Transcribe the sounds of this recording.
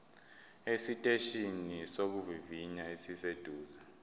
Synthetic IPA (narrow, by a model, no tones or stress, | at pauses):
esitʼeʃinisok̬uviviɲaesised̥ʱuːza